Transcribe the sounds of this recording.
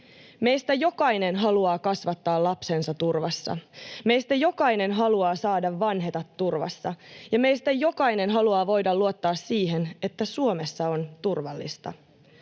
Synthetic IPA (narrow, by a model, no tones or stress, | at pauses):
me̞jst̪æjo̞kɑjne̞nɦɑluɑːkɑsʋɑt̪ːɑːlɑpse̞nsɑt̪urʋɑsːɑ̰me̞jst̪æjo̞kɑjnenɦɑluɑːsɑːdɑʋʋɑnɦe̞t̪ɑt̪ːurʋɑ̰sːɑjɑme̞jst̪æjo̞kɑjne̞nɦɑluɑːʋo̞jdɑlluot̪ːɑːsːiːɦene̞t̪ːæsuome̞sːɑo̞nt̪urʋɑlːḭst̪ɑ̰